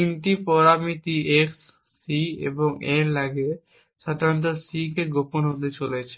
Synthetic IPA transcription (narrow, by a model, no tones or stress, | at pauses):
t̪inʈipɔɾamit̪iʔeksː | iḛboŋeɾlaɡe | ʃad̪ʱaɾt̪̬osikeɡoponɦot̪̬et͡ɕolet͡ɕʰe